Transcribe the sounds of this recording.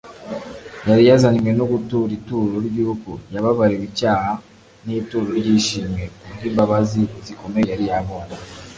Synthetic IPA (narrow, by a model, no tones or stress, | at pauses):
jaɾijazanimwe̞noɡutuɾituːɾoɾɟuukṵjaβaβaɾeβicaːha | nituːɾoɾɟiʃiːme̞uɡiːmbaβaziziko̞mejaɾijaβo̞na